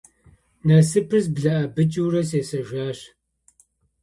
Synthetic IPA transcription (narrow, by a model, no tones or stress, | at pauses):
nɐsɨpʰɨzbɮɐʔɐbɨt͡ʃʼuwrɐseːsɐʒʷaːɕ